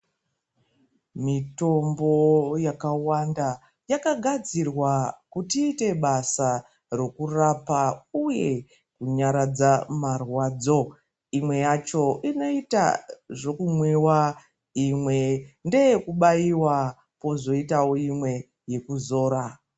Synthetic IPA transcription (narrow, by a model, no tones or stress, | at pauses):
mito̞mbo̞jakawanda | jakaɡʱad͡zirwakutiːte̞ɓasa | ro̞kurapauje̞ | kuɲaɾad͡zamarwaːd͡zo̞ | imwe̞jat͡ʃo̞ʔino̞ita̰ʐo̞kumwewa | imwe̞nde̞jkuɓaiwa | po̞zo̞itawo̞imwe̞ | je̞kuzo̞ːɾa